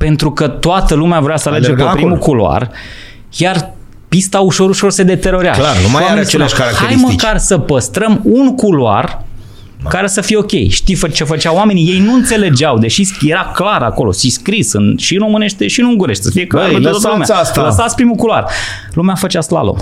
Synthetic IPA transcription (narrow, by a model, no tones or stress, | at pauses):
pe̞nt̪ɾukət̪oat̪əlumeavoeasəaled͡ʒekepɾimukuloa̰r | jar | pist̪auʃo̞ɾuʃo̞rse̞d̪e̞t̪e̞ɾo̞ɾea̰zlaɾnumajwameit͡ʃelaʃkaɾak̚teajməikarsəpəst̪ɾəmunkuloa̰r | kaɾe̞səfije̞o̞kʲe̞̰jʃt̪ifət͡ʃe̞fət͡ʃawame̞nijejnuɨnt̪se̞le̞d͡ʒawd̪e̞ʃije̞ɾaklaɾa̰ko̞lo̞̰ʃiskɾisɨnʃiɨno̞mɨne̞ʃt̪eʃinuŋɡuɾe̞ʃt̪səfijeklaɾeet̪at̪əlumealəsat̪sʲpɾimukuloar | lumeafət͡ʃasla̰lo̰